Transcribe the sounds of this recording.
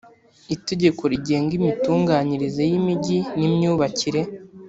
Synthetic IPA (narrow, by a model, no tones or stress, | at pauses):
ite̞ɟe̞ko̞ɾiɟe̞ːŋɡimituːŋɡaːɲiɾizejimiɟinimɲuːβaciɾe̞